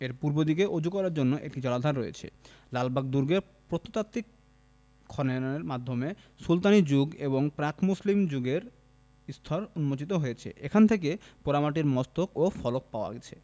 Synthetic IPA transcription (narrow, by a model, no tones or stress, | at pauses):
eɾpuɾbod̪ikeʔod͡ʑʱukːɔɾaɾd͡ʑonːoʔḛk̚ʈid͡ʑɔlad̪ʱaɾːoḛt͡ɕʰḛ | lalbak̚d̪uɾɡeɾ | pɾot̪ʰːot̪at̪ːikʰː | ɔneeɾmad̪ʱome | sult̪anid͡ʑuɡeβoŋpɾakʰmuslimd͡ʑuɡeɾ | ist̪ʰɔɾunmot͡ɕit̪̬oɦojet͡ɕʰḛʔekʰant̪ʰek̬epoɾamaʈ̬iɾmɔst̪okofɔlok̚paoa̰ɡet͡ɕʰḛ